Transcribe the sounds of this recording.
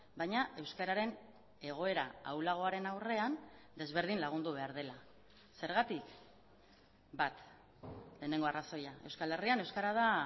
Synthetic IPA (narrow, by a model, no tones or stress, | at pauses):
bajɲaʔe̞wskaɾaɾe̞n | e̞ɣ̞o̞e̞ɾaa̰wlaɣ̞o̞aɾe̞nawre̞and̪e̞zβe̞ɾð̞inlaɣ̞und̪uβe̞aɾðe̞la | se̞ɾɣ̞at̪ik | bat̪ | le̞ːne̞ŋɡo̞araso̞jae̞wskale̞riane̞wskaɾað̞a